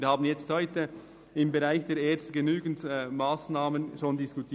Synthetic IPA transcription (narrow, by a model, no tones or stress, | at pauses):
haːbn̩jɛt͡sthɔʏtə | ɪmbeʁaɪçd̥eːɾeːɐt͡sstəɡənyːɡn̩tmaːsnaːmənʃoːndɪskʊtʰiː